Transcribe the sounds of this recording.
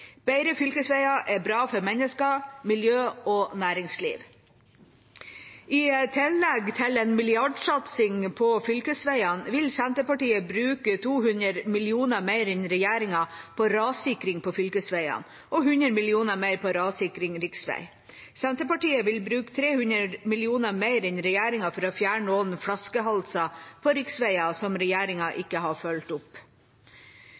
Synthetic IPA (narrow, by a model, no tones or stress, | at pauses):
b̥æɪɾəfʏlkəsʋæɪɑʔɛbɾɑːfɔɾmɛnəskɑmɪljøːɔːnæːɾɪŋslḭːʋ | ɪːt̪ʰɪlːɛɡt̪ʰɪlɛnmɪlɪɑɖsɑt̪sɪŋpʰɔfʏlkəsʋæɪɑnʋɪlsænt̪əpɑʈiːəbɾʉːkət̪ʰuːhʉnəɾmɪlɪuːnəmeɪɾɛnɾɛjæːɾɪŋɑpʰɔɾɑːsɪkɾɪŋpʰɔfʏlkəsʋæɪɑ̰n | ʔɔɦʉnɾəmɪlɪuːnəmeɪɾpɔɾɑːsɪkɾɪŋɾɪksʋæ̰ɪ | sɛnt̪əpɑʈiːəʋɪlbɾʉːkt̪ʰɾeːhʉnɾəmɪlɪuːnəmeɪɾɛnɾɛjæːɾɪŋɑfɔɾɔfjæːɳoːnfɽɑskəɦɑlsɑpʰɔɾɪksʋæɪɑsɔmɾɛjæːɾɪŋɑʔɪkːəhɑfœlt̪ʊp